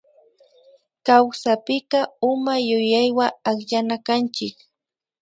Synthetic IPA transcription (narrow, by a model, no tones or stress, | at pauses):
kawsapɪkɑʊmajʊjajwaakʎanakant͡ʃɪk